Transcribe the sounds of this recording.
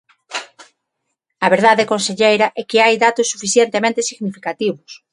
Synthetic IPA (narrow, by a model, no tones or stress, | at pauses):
ɐβeɾðaðekõnseʎejɾaʔɛkeajðat̪osːufiθjent̪emẽnt̪esiɣnifikat̪iβos